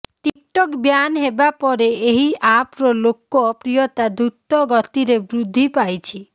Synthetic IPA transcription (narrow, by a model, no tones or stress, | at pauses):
ʈikʈɔkbjanɦebapɔɾeeɦiapɾɔlokɔpɾijɔt̪ad̪ɾut̪ɔɡɔt̪iɾebɾud̪ʱːipajt͡ʃʰi